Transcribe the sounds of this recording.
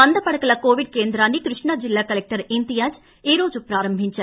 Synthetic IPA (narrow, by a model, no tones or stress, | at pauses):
ɐnd̪ɐpɐɽɐkːɐɭɐkoːʋɪɖkeːnd̪ɾaːnikɾɪʂɳad͡ʒɪlːaːkɐlɛk̚ʈɐɾɪnd̪ɪjaːd͡ʒ | eːɾoːd͡ʒupɾaːɾɐmbʱɪɲt͡ʃːɐ